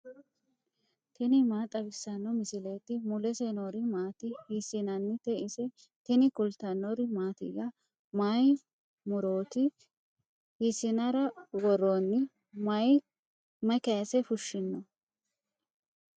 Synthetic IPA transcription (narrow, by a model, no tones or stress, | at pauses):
t̪ɪnɪmaːt̪ʼɐbɪsːɐnːɔmɪsɪleːt̪ɪmʊlɛsenoɾɪmaːt̪ɪhisɪnɐnːɪt̪ɛʔɪsɛ | t̪ɪnɪkʊlt̪ɐnːɔɾɪmaːt̪ɪ̰ɡɐ | maj | mʊɾoːt̪ɪ | hisɪnɐɾɐwɔɾoːnːɪ | mɐj | mɐkɐjɐsɛfʊʃːɪnːɔ